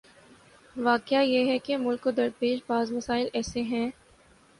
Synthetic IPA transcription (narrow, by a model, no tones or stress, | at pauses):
ʋaːkjajeɦɛkemʊlkod̪ɐɾpeːʃbaːzmɐsaːɪlɛːseɦɛ̃ː